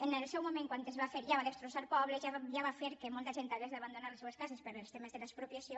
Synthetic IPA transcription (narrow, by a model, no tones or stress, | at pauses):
enelsɛwmomẽŋkwant̪ezβafeɾʒaβaðest̪ɾosaɾpɔβleʒaʒaβafeɾkemolt̪aʒent̪aezðaβand̪onaɾleseeskasespeɾoelst̪emezðelaespɾopjasjo